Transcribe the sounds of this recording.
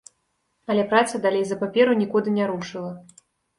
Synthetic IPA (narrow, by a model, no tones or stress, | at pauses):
ɐlʲɛpɾat̪sɐd̪alʲejzɐpapʲɛɾunʲikud̪ɨnʲaɾuʂɨlˠɐ